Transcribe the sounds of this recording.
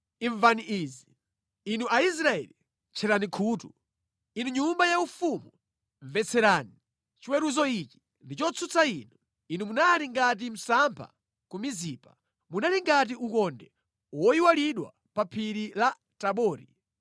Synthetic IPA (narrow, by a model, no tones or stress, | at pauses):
iɱvaniʔiːziː | nuais̬ɾaɛ̰li | t͡ʃʰɛɾanikʰuːtu | inuɲumbajaufumu | ɱvɛt͡sʰɛɾaːni | t͡ʃiwɛɾuzɔit͡ʃi̥ | ndit͡ʃɔt͡sʰut͡sʰainu | inumunaɾiŋɡat̬im̩sampʰa̰ | kumiziːpa | munaliŋɡat̬iukɔndɛ | wɔjiwaliɗwa̰ | papʰiɾila | taɓɔːɾi